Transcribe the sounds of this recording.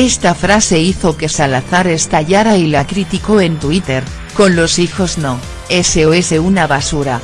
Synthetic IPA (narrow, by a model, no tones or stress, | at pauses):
e̞st̪afɾase̞iθo̞ke̞salaθaɾe̞st̪aʎaɾailakɾit̪iko̞e̞nt̪wit̪e̞ɾ | ko̞nlo̞sixo̞zno | eseoeseunaβasuɾa